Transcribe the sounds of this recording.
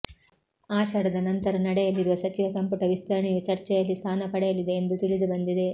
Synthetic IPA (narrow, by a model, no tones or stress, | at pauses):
aːʃɐɽɐd̪ɐnɐnt̪ɐɾɐnɐɽɛjɐliɾuʋɐsɐt͡ʃiʋɐsɐmpuʈɐʋist̪ɐɾɐɳijut͡ʃɐɾt͡ʃɛjɐlːist̪ʰaːnɐpɐɽɛjɐlid̪eːnd̪ut̪iɭid̪ubɐnd̪id̪e̞